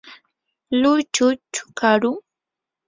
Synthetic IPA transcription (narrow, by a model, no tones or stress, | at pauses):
lʊt͡ʃʊt͡ʃʊ̥kaɾʊ